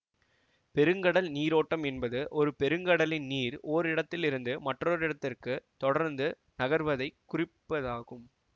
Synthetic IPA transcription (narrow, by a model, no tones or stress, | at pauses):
pɛɾɯŋɡɐɽɐlniːɾoːʈːɐmɛnbɐðɯʔɔɾɯpɛɾɯŋɡɐɽɐlɪnniːɾoːɾɪɽɐt̪ːɪlɪɾɯnd̪ɯmɐʈroɾɪɽɐt̪ːɪrkɯt̪ɔɽɐɾnd̪ɯ | nɐɣɐɾʋɐðɐɪkːʊrɪpːɐðaːɣɯm